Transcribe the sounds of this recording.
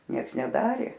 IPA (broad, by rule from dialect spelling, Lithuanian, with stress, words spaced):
ˈnʲiɛks nʲɛˈdɑːrʲeː